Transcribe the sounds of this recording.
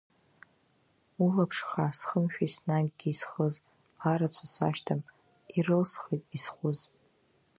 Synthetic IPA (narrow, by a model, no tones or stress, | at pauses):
ulapʰʂχasχəmʃᶣaisnaɡɡʲiːsχəz | aɾat͡ʃʷʰasa̰ʃtʰam | irɨlsχejtʼisχʷʊz